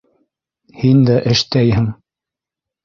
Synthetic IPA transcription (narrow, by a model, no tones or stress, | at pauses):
hind̪æʔɘ̆ʃt̪æjhɘŋ